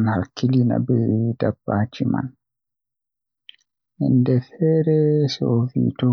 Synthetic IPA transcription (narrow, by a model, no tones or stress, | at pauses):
nhakːilina̰bɛdabːaːt͡ʃima̰n | ʔɛndɛfɛːɾɛsɔfḭto